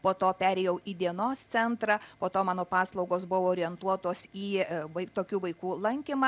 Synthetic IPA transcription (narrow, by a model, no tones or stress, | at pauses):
poːt̪oːpʲæːɾʲeːjɛʊiːd̪ʲiɛnoːst̪sʲɛnt̪ɾɑːpoːt̪oːmɑːnoːpɑːslˠɐʊɡoːsbʊʋːɾʲɪɛnt̪uɔt̪oːsiːʋɐɪt̪oːkʲuːʋɐɪkuːlˠɐŋʲkʲɪmɑː